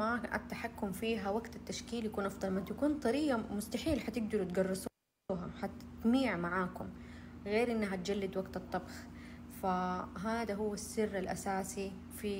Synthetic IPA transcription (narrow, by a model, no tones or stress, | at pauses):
maʔa̰t̪ːaħakːʊmfiːɦawaɡt̪at̪ːaʃkiːljakuːnʔɑfd̪ˤɑlmaʔnt̪akuːnt̪ˤɑɾiːɡamʊst̪aħiːlħat̪ɪɡ̚d̪ɑɾut̪ɡɑrˤːɨsˤː | ɦaħat̪ | t̪miːʕmaʕaːkʊm | ɣeːɾʔɪnːaɦat̪̚d͡ʒalːɪd̪waɡt̪ɑt̪ˤːɑbx | faɦaːd̪aɦʊwːasːɪrːalʔa̰saːsi | fi